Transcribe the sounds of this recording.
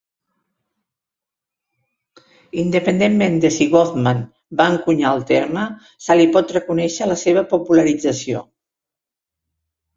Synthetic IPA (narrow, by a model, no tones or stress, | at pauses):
ind̪əpənd̪emːend̪əsiɣɔθman | baəŋkuɲaəlˠt̪eɾmə | salipɔt̪rəkunɛʃələseβ̞əpupuləɾid͡zəsio̰